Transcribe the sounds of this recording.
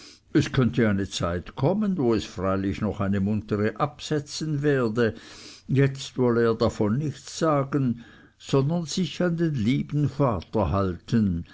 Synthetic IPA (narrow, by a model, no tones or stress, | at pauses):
ʔɛskʰœntəaɪnət͡saɪtkʰɔmənvoːɛsfʁ̥aɪlɪçnɔχaɪnəmʊntʰəʁəʔapsɛt͡sənvɛːɐdəjɛt͡stvɔləeːɐdafɔnːɪçt͡sz̥aːɡən | z̥ɔndɐnz̥ɪçandeːnliːbn̩faːtɐɦaltʰən